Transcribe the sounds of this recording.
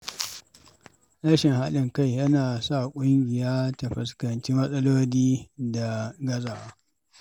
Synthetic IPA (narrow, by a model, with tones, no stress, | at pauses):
ɾɐ˦ʃɪ˨ŋha˦lɪ˨ŋka˦˨jjɐ˦naː˨sa˦˨kʷʼʊ˦ŋɡʲɪ˨jaː˦tɐ˨ɸɐ˨skɐ˨nt͡ʃi˦mɐ˦sʼɐ˦loː˦liː˦da˨ɡɐ˦zaː˨waː˦